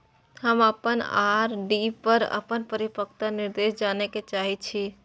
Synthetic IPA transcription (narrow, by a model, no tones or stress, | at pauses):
həməpənaɾɖipəɾə̰pənpəɾipək̚t̪aniɾd̪esd͡ʒaneket͡ʃaɦit͡ʃʰi